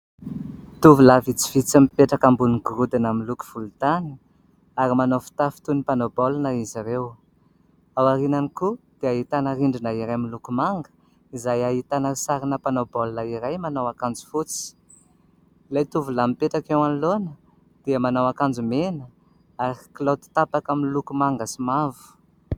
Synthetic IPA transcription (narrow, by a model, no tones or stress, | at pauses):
t̪uvulavit͡si̥vit͡samipeʈ͡ʂakambuniɡuɾud̪inamiluku̥v̥ulut̪ani̥ | aɾimanofi̥t̪afi̥t̪unipanobolnaiziɾew | awaɾinanikud̪̥eaɦit̪anəɾiɳɖ͡ʐinaiɾajmilukumaŋɡə̥ | izajaɦit̪anərisaɾinəpanobolnaiɾajmanawakand͡zu̥fut͡si̥ | lejt̪uvulamipeʈ͡ʂakewanlonə | d̪̥eəmanawakand͡ʒumenə | aɾikilot̪u̥t̪apakaminlukumaŋɡəsimavu̥